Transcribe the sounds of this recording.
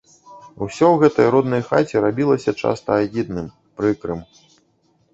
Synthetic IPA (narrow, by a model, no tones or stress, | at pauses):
usʲɔwɣɛt̪ɐjɾɔd̪nɐjxa̰t͡sʲiɾabʲilˠɐsʲɐt͡ʂa̰st̪ɐːɣʲid̪̚nɨm | pɾɨkɾɨm